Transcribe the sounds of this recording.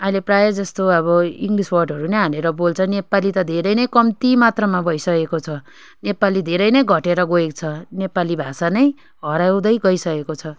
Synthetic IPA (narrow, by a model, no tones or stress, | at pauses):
ʌileprajʌd͡zʌst̪oʌβʌiŋɡliswʌrɖʱʌɾunʌjɦaleɾʌbolt͡sʰʌnepalit̪ʌd̪ʱeɾʌjnʌjkʌmt̪imat̪rʌmabʱʌjsʌkekot͡sʰʌ | nepalid̪ʱeɾʌjnʌjɡʱʌʈeɾʌɡoek̚t͡sʰʌnepalibʱasanʌj | ɦʌɾaw̃d̪ʌjɡʌjsʌkekot͡sʰʌ